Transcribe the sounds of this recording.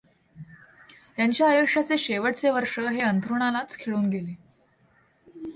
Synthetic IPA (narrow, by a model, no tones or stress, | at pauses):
t̪jaɲt͡ɕjaːjokʂat͡seɕeʋəʈ̚t͡seʋəɾʂəɦeənt̪ɾuɳ̃alat͡skʰeɭuːnɡele